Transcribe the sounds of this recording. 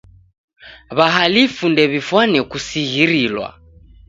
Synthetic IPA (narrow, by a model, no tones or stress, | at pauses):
βaɦalifundɛβifwanɛkusiɣiɾilwa̰